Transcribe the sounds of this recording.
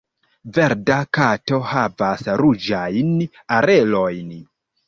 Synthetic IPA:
ve̞ɾdakato̞havasɾud͡ʒajn | aɾe̞lo̞jn

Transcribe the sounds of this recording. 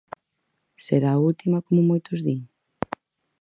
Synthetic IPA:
seɾaːult̪imɐkomomojt̪ozðiɲ

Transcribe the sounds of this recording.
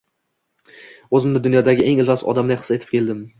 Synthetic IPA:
ɵzɪmd̪ɪd̪ʊnjɒd̪aɡʲɪʔe̞ŋɪlvasɒ̰d̪amlajqɨ̥set̪ʰɪ̥p̚kʲʰe̞ld̪ɪm

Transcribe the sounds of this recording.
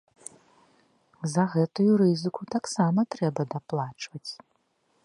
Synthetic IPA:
zɐɣɛt̪ujuɾɨzɨkut̪aksamɐt̪ɾɛbɐd̪aplˠat͡ʂvɐt͡sʲ

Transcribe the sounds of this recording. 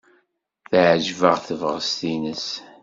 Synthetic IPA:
θʕʒvəʁθəvʁəst̪inəs

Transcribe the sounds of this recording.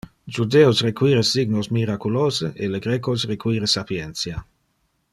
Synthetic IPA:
d͡ʒud̪eːosrekwiːɾesiɡnosmiɾakuloːzeʔeleɡɾekosrekwiːɾesapjent͡sja

